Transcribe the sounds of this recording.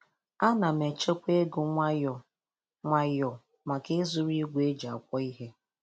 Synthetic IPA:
a˦na˨me˨t͡ʃe˦kʷe˦ɡʊ˨ŋʷa˦jɔ˨ | ŋʷa˦jɔ˨ | ma˨ke˦zʊ˦ɾi˦ɡʷe˦d͡ʒa˨a̰˨kʷɔ˦i˦ɦe˦

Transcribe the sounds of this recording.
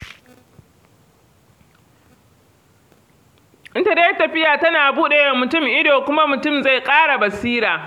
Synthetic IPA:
ʔɪ˦ntɐ˨deː˦jtɐ˨ɸɪ˦jaː˨tɐ˦naː˨buː˦ɗe˨jɐ˦˨mːʊ˨tʊ˦mʔɪ˦doː˨kʷʊ˦ma˦mʊ˨tʊ˦˨mza˦˨jkʼaː˦ɽa˨bɐ˨siː˦ɾaː˨

